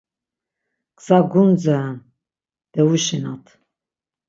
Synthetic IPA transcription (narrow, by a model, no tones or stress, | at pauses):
qsaɡund͡zan | d̪̥ɛuʃinat̪ʰ